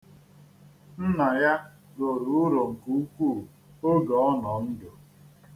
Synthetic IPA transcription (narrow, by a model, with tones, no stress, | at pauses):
n̩˦na˨ja˦ | ɡo˨ɾu˨ʊ˦ɾo˨ŋ̩˨ku˨˦u˦kʷuː˦˨ | o˦ɡɔ˨ɔ˦nɔ˨n̩˦do˨